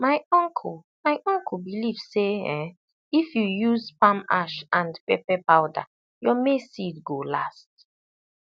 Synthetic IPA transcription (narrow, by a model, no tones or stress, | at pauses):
maɪɔ̃ŋkʰ | maɪʔɔ̃ŋkʰl̩bilivseɛ̃ | ifjujuzpãma̰ʃãndpɛpɛpawda̰ | jɔmesitɡolast̚